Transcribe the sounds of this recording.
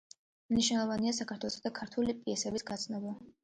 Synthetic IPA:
mniʃnɛlˠɔvanias̬akʰaɾt̪ʰwɛlˠɔsad̪akʰaɾt̪ʰulipʼiɛsɛbisɡat̪sʰnɔba

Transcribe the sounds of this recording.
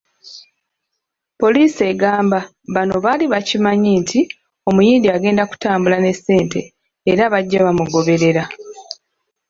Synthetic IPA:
po̞liːse̞ɡaːmba | βano̞βaliβacimaɲiːntʰi | o̞mujiːndiaɡe̞ːndaku̥taːmbulane̞sːe̞ːnte̞̰ː | ɾaβaɟːaβamuɡo̞βe̞ɾe̞ɾa

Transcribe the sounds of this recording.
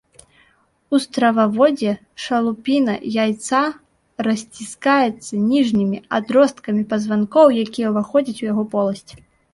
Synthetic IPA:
ust̪ɾɐvavɔd͡zʲɛ | ʂɐlˠupʲinɐ̰jajt̪sa | ɾɐsʲt͡sʲiskajɛt̪sːɐnʲiʐnʲimʲiad̪ɾɔst̪kɐmʲipɐzvankɔwjakʲijɛwvaxɔd͡zʲɐt͡sʲujaɣɔpɔlˠɐsʲt͡sʲ

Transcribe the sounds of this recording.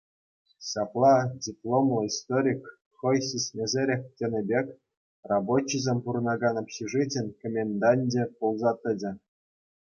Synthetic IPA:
ɕɑplˠɑdʲiplˠomlˠɤ̆ist̪oɾʲik | χɤ̆jɕʲisʲnʲezʲeɾʲekʲtʲĕnʲɘ̆bʲekʲ | rɑbot͡ɕːizʲemʲpuɾɤ̆nɑɡɑnopʲɕiʐɨtʲɘ̆nʲkomʲenʲd̪ɑnʲdʲĕpulˠzɑt̪ʲɘ̆dʲɘ̆

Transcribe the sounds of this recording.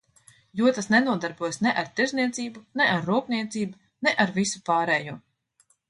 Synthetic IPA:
juɔt̪asnɛnuɔd̪aɾbuɔjsnɛʔaɾt̪iɾzniɛt̪siːbunɛʔaɾːuːpniɛt̪siːbu | nɛʔaɾvisupaːɾɛːjuː

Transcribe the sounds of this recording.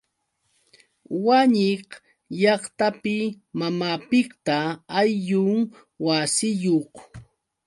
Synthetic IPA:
waɲɪχ | ʎɑχt̪apɪ | mamaːpɪkt̪aːjʎʊŋ | wasɪjoχ

